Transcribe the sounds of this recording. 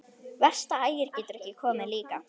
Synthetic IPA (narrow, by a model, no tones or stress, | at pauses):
vɛr̥st̪aaːjɪɾ̥cɛːt̪ʏɾɛhcɪkʰɔːmɪðliːka